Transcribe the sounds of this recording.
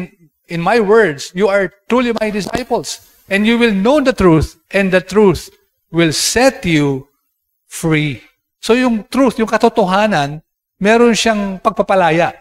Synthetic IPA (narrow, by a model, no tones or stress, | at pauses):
n | ʔɪ̃nmajwɛɹd̪sjuaɹt̪ɾulimajd̪ɪsa̰jpɔls | ʔɛ̃nd̪juwɪlnowd̪ɐt̪ɹuθ | ʔɛ̃nd̪ɐt̪ɹuθ | wɪlsɛt̪ju | fɹi | sojʊŋt̪ɾuθjʊŋkɐt̪ʊt̪oɦaːnɐn | mɛɾonʃaŋpɐɡ̚pɐpɐlaːjaʔ